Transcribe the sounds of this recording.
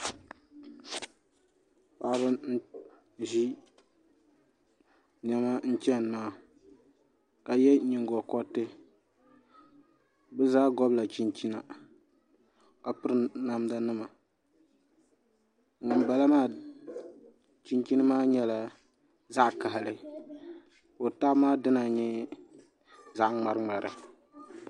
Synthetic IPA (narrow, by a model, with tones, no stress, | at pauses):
pa˨ʔbɨ˦n̩˦ | ʒi˦ | n˨ɛ˦ma˦n̩˦t͡ʃɛ˦n˨maː˦˨ | ka˨jɛ˦ɲi˨ŋ˦ɡɔ˨kɔ˦tɨ˦ | bɨ˦zaː˦ɡɔ˦bla˨t͡ʃi˦nt͡ʃi˦na˨ | ka˨pɨ˦ɾna˦mda˦nɨ˦ma˨ | ŋɔ˨nba˨la˦maː˦˨ | t͡ʃi˦nt͡ʃi˦nɨ˦maː˦ɲɛ˦la˨ | za˦ʔka˨ɦlɨ˦ | o˨ta˦maː˦dɨ˦na˨ɲɛ˦ | za˦ʔŋ͡ma˨ɾɨ˦ŋ͡ma˨ɾɨ̰˨